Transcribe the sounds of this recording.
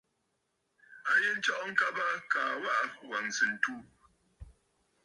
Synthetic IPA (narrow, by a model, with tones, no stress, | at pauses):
a˦je˦n̩˦t͡ʃɔ˦ʔɔ˦ŋ̩˦ka˦ba˦kaː˨wa˦ʔa˨wa˨n˨sɨ˨n̩˨tu˦